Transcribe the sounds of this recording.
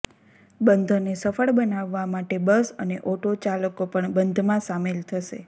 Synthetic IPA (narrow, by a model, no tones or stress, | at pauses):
bənd̪ʱnesəfəɭbənaʋːamaʈebəsəneʔoʈʰot͡ʃaləkopəɳbənd̪ʱmãsamelt̪ʰəʃḛ